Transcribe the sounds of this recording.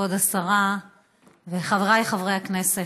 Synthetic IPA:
od̪asaʁa | veχavʁajχavʁejaknese

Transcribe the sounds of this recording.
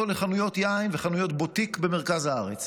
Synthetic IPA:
oleχanujo̞t̪jainveχanujo̞t̪bo̞t̪ikbeme̞ʁ̞kazhaaʁet͡s

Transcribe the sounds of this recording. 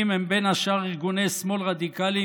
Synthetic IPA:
imhembenhaʃaʁiʁɡunejsmo̞lʁad̪ikali

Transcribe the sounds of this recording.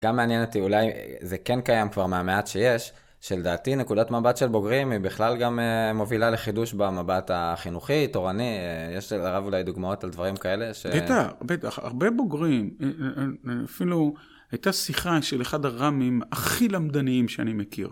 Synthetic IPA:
ɡ̥amːeanjenot̪iulajzekenkajamkvaʁmeameat̪ʃe̞je̞ʃ | ʃeld̪aːt̪ine̞kud̪atmabatʃe̞lbo̞ɡʁimibiχlalɡamemo̞vilale̞χiduʃbamabat̪aχinuχito̞ʁanijeʃaʁavulajd̪uɡmao̞taldvaʁimkae̞le̞ʃebetaχbet̪aχa̰ʁbebo̞ɡʁim | afilu | ajt̪asiχaʃeleχad̪aʁamimaχilamd̪aniimʃeanimekḭʁ

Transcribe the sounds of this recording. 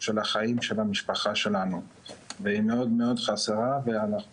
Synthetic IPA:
ʃelaχaimʃelamiʃpaχaʃe̞lanu | veimeo̞d̪me̞o̞d̪χaseʁaveana

